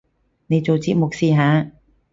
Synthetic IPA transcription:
ne˨˧jt͡so˨wt͡si˧t̚mo˨k̚siː˨˧ɦaː˨˧˥

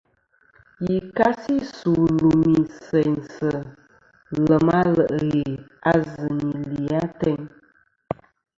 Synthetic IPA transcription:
ji˨ka˦si˦su˨lu˨mi˨sɛ˨ɲsə˨ | lə˨ma˦lə˨ʔə˨ɣe˨a˦zɨ˨ŋi˨li˨a˦tɛ˦ɲ

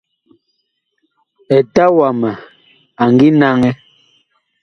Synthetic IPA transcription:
ɛ˨ta˦wa˨ma˨ | a˨ŋ˨ɡi˦na˦ŋɛ˦

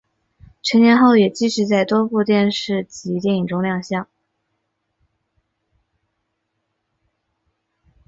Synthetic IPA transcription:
ʈ͡ʂʰə˧˥njɛ˧˥nxo˥˩ʊjɛ˨˩t͡ɕi˥ʂɻ̩˧˥t͡sa˥˩ɪt̪wɔ˥pu˥˧t̪jɛ˥˧nʂɻ̩˥˩t͡ɕi˧˥t̪̬jɛ˥˩ni˨˩ŋʈ͡ʂʊ˥ŋljɑ˥˧ŋɕjɑ˥˩ŋ

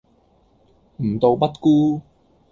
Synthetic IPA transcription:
m̩˨˩t̪o˧wpɐ˥t̚kuː˥

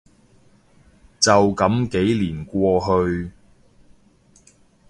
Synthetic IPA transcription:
t͡sɐ˨wkɐ˨˥mke˨˥jliː˨˩nkʷɔː˧ɦɵ˧ɥ

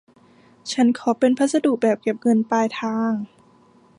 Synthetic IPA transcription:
t͡ɕʰa˦˥nkʰɔː˩˦pe˧npʰa˦˥t̪̚sa˧duː˨˩k̚bɛː˨˩p̚ke˨˩p̚ŋɤ˧npaː˧jt̪ʰaː˧ŋ

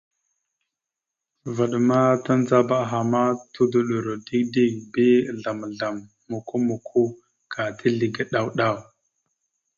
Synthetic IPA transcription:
va˨ɗa˨ma˦ta˦n˦za˦ba˦˨ɦa˨ma˦tʰu˦du˨ɗu˨ɾo˨di˦kdi˦bi˦˨ɮa˨m˨ɮa˨mː | u˨ku˦mu˨kʰu˦ | ka˨tʰi˦ɮi˨ɡa˨ɗa˦˨wɗa˦˨w

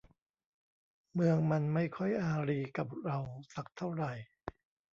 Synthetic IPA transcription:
mɯ˧əŋma˧nma˥˩jkʰɔ˥˩jʔaː˧ɾiː˧ka˨˩p̚ɾa˧wsa˨˩k̚t̪ʰa˥˩wɾa˨˩j

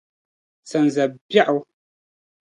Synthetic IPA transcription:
sa˨n˨zɛ˨bja˦ʔu˨

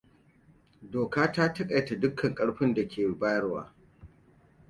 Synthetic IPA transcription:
doː˨kaː˦taː˦tɐ˦kʼa˨jta˨dʊ˦kʰːɐ˨ŋkʼɐ˦ɽɸɪ˦nda˨kʲeː˨baː˦jɐ˦rwa̰ː˦

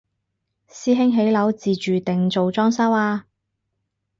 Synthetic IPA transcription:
siː˥ɦɪ˥ŋɦe˨˥jlɐ˨˥wt͡siː˨t͡ʃyː˨t̪ɪ˨ŋt͡so˨wt͡sɔː˥ŋsɐ˥waː˧

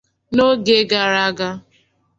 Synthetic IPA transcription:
no˦ɡe˦ɡa˨ɾa˦ɡa˦

